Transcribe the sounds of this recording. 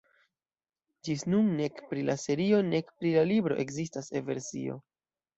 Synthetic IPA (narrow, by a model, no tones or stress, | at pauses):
d͡ʒisnunːe̞kpɾilase̞ɾio̞ne̞kpɾilalibɾo̞ʔe̞kzistasḛve̞̰ɾsḭo̞̰